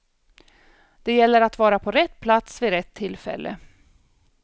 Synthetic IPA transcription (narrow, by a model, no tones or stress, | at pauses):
d̪̥ɛjɛlːəɾat̪vɑːɾapʰɔɾɛt̪ːpʰlat̪svɪɾɛt̪ʰːɪlːfɛ̰lːʔə̰